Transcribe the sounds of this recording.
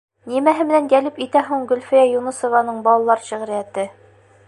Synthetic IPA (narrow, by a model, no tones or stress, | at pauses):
nimæɦɘmɘ̆nænjælɘpit̪æɦuɴɡɵ̆lʲfijæjunɤ̆sŏvɑnɤɴbɒlˠɑlˠɑɾɕɘ̆ʁɘ̆ɾɘ̆jæt̪ɘ